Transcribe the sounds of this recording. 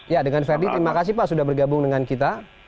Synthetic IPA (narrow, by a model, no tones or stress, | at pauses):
jadəŋanfɛrdit̪ɾimakas̬ihpaʔsudahbərɡabʊŋdəŋankit̪a